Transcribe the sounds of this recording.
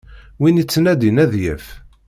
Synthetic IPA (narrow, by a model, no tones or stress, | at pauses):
winit͡sːənæd̪inæðjæf